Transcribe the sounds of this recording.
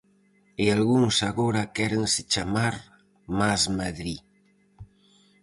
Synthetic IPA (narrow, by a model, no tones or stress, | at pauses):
ealɣuŋsaɣoɾakɛɾenset͡ʃamaɾ | mazmaðɾi